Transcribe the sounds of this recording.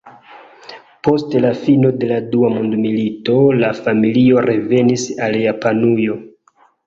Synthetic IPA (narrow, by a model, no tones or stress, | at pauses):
po̞stlafino̞de̞laduamundmilito̞lafamilio̞ɾe̞ve̞nisaljapanujo̞